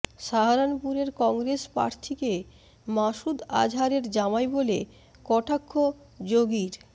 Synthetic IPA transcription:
ʃaɦaɾanpuɾeɾkɔŋɡɾespa̰ɾt̪ʰike | maʃud̪a̰d͡ʑʱaɾeɾd͡ʑamajbole | kɔʈʰakʰːo | d͡ʑoɡiɾ

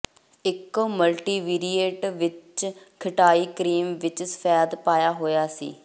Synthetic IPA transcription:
ɪkməlʈiːʋiːɾiːeʈʋɪt͡ʃ | kʰəʈaːiːkəɾiːmʋɪt͡ʃsə̥fʰɛːd̪paːjaːɦoːjaːsḭː

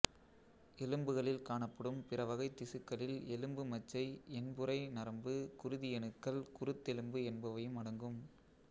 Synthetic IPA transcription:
ɛlɯmbɯɣɐɭɪlkaːɳɐpːɐɽɯmpɪrɐʋɐɣɐɪt̪ːɪsɯkːɐɭɪlɛlɯmbɯmɐt͡ʃːɐɪɛnbɯɾɐɪnɐɾɐmbɯkʊɾɯðɪjɛɳɯkːɐlkʊɾɯt̪ːɛlɯmbɯɛnbɐʋɐjɯmɐɽɐŋɡɯm

